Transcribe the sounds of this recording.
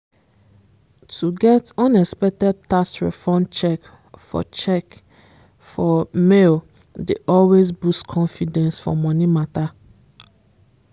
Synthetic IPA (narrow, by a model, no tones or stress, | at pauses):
tʰuɡɛtɔ̃nɛkspɛk̚tɛd̚tasɹɛ̰fɔ̃mt͡ʃɛk | fɔ̰t͡ʃɛk | fɔmel | deʔɔlwesbuskʰɔ̃nfidɛ̃nsfɔ̰mɔ̃nimata